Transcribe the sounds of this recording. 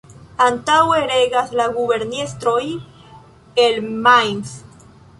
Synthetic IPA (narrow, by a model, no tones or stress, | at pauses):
antaweɾeɡaslaɡube̞ɾnest̪ɾoj | elmajns